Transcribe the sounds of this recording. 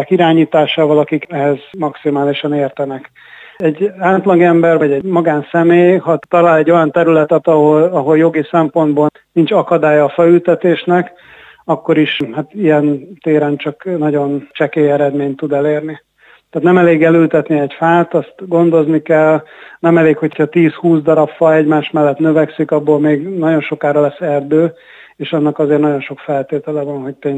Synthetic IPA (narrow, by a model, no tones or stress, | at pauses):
kiɾaːɲiːt̪aːʃaːvɒlɒkikɛɦɛzmɒksimaːliʃɒneːrt̪ɛnɛk | ɛɟaːt̪lɒɡɛmbɛrvɒɟɛmɒɡaːnsɛmeːjɦɒt̪ɒlaːlɛɟːo̞jɒnt̪ɛɾylɛt̪ɛt̪ɒɦolɒɦo̞ljo̞ɡisɛmpo̞nd̪boː | nint͡ʃɒkɒd̪aːjɒːfɛlylt̪ɛt̪eːʃnɛk | ɒkːo̞ɾiʃhat̪ijɛnt̪eːɾɛnt͡ʃɒknɒɟo̞nt͡ʃɛkeːɛɾɛd̪meːɲt̪ːud̪ɛleːrni | t̪æːt̪nɛmɛleːɡɛlylt̪ɛt̪niɛɟfaːt̪ɒst̪ɡo̞nd̪o̞znikɛlnɛmɛleːkho̞cʰhɒt̪iːshuːzd̪ɒɾɒpfɒɛɟmaːʃmɛlːɛt̪nø̞vɛksikɒbːoːlmeːɡnɒɟo̞nʃo̞kaːɾɒlɛsːɛrd̪øː | eːʃɒnːɒkɒzeːrnɒɟo̞nʃo̞kfɛlt̪eːt̪ɛlɛvɒnɦo̞c̚peːɲ